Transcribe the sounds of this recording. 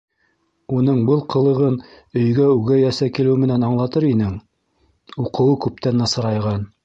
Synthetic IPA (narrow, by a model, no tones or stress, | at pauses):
unɤɴbɤlˠqʰɤ̆lˠɤ̆ʁɤn | ɵ̆jɡæʉɡæjæsækilɘwmɘ̆nænɑɴlˠɑt̪ɤɾinɘŋ | uqʰɤ̆wɤkʉpt̪ænːɑ̆sɤ̆ɾɑjʁɑn